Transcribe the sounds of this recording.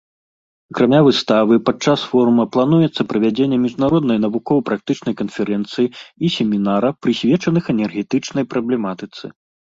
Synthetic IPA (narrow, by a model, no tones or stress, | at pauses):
ɐkɾamʲavɨst̪avɨpat͡ʂasfɔɾumɐplˠanujɛt̪sːɐpɾɐvʲad͡zʲenʲːɛmʲiʐnaɾɔd̪nɐjnɐvukɔwɐpɾak̚t̪ɨt͡ʂnɐjkɐnfʲɛɾɛnt̪sɨjiisʲɛmʲinaɾɐpɾɨsʲvʲɛt͡ʂɐnɨxɛnʲɛrɣʲɛt̪ɨt͡ʂnɐjpɾɐblʲɛmat̪ɨt̪sɨ̰